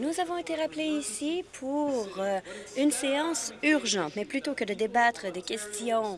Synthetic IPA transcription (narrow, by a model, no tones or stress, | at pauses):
nuzavɔ̃et̪eʁapleisipʰuʁøynseɑ̃syʁʒɑ̃t̪mɛplyt̪okəd̪əd̪ebat̪χəd̪ekʲɛst̪jɔ̃